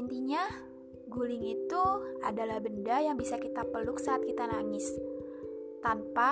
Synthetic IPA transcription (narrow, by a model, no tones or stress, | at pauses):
nt̪iɲa | ɡulɪŋit̪uadalahbəndajaŋbisakit̪apəlʊk̚saat̪̚kit̪anaŋɪs | t̪anpa